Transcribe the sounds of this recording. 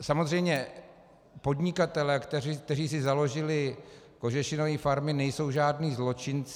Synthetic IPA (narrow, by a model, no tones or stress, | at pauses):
samozr̝ɛjmɲɛ | po̞dɲɪkat̪ɛlɛːkt̪ɛk̚t̪ɛriːsɪzalo̞ʒɪlɪ | ko̞ʒɛʃɪnoviːfaɾmɪnɛjso̞wʒaːdniːzlo̞t͡ʃɪnt͡s